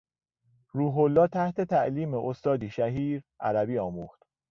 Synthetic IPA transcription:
ɾuːɦolːɒːt̪ʰæht̪ʰe̞t̪ʰæʔliːmeʔost̪ɒːd̪iːʃæɦiːɾʔæ̰ɾæbiːɒːmuːxt̪

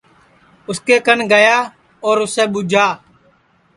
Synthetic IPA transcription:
ʊskeːkənɡəjaː | oːɾʊseːɓʊd͡ʒʱaː

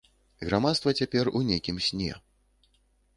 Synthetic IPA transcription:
ɣɾamat̪st̪vɐt͡sʲapʲɛrunʲejkʲimsʲnʲɛ̰

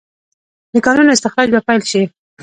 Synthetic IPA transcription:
d̪əkɑnunoɪst̪ɪxɾɑd͡ʒbapajlʃi

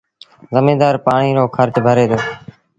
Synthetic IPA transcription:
zəmĩːd̪aːɾpaːɳiːɾoːkʰəɾt͡ʃbʱəɾeːt̪ʰoː

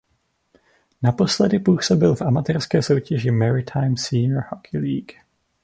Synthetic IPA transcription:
napo̞slɛdɪpuːsobɪlfʔamat̪ɛːrskɛːso̞wcɛʒɪmɛɾɪt̪ʰajmsiːnɹhokʰɪliːk

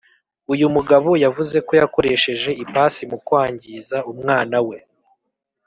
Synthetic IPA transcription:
ujumuɡaβojavuze̞ko̞jako̞ɾe̞ʃe̞ʒe̞ipaːsimukwaːɲɟizaumŋaːnawe̞

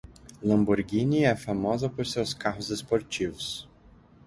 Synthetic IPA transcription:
lɐ̃mbuɾɡĩniɛfamɔzɐpoɾsewskaɦʊzespoɾt͡ʃivʊs

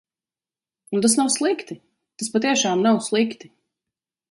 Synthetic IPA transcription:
unt̪̬asnawslˠikt̪i | t̪aspat̪iɛʃaːmnawslˠikt̪i̥

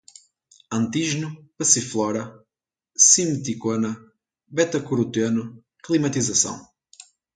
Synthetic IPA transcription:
ɐ̃nt̪iʒnupɐsiflˠɔɾɐ | simt̪ikonɐ | bɛt̪ɐkuɾut̪ɐnu | klˠimɐt̪izɐsɐ̰̃w̃

